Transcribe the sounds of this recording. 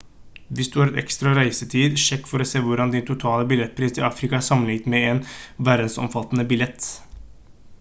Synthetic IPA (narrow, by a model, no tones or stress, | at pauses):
ʋɪsd̪ʉːhɑɾɛt̪ɛ̰kst̪ɾɑɾæɪsət̪ʰiːd̪ʂɛkːfɔɾɔseːʋʊɾɑnd̪ɪnt̪ʰʊt̪ʰɑːləbɪlɛt̪̚ːpʰɾiːst̪ɪɑːfɾɪkɑæsɑmːənɪɡt̪mɛɛnʋæɾd̪n̩sɔ̰mfɑt̪ːənəbɪljɛt̪ː